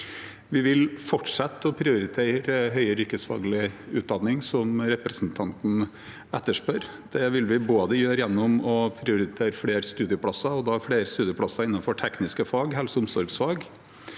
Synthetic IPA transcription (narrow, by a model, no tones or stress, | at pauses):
ʋɪʋɪlfɔʈʂɑt̪ːɔpʰɾɪʊɾɪt̪ʰeːɾəɦœʏəɾʏkəsfɑ̰ːɡlɪʉːt̪̚d̪ɑnːɪŋsɔmɾɛpɾɛsnt̪ʰɑnt̪n̩ | ɛt̪ːəʂpœɾ | d̪̥ɛʋɪlʋɪboːd̪əjøːɾəjɛnːʊmɔpʰɾɪʊɾɪt̪ʰeːɾəfɽeːɾst̪ʉːd̪ɪəpʰɽɑsɑɔd̪ɑːfɽeːɾst̪ʉːd̪ɪəplɑsɑɪnːɑnfɔʈʰɛknɪskəfɑːɡɦɛlsɔʊmsɔɾɡsfɑːɡ